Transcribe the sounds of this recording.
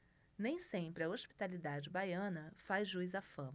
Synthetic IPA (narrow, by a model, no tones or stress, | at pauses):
nẽj̃sẽpɾɪɐoʃpi̥t̪alid̪ad͡ʒɪbajɐ̃nɐfazʒujzafɐ̃m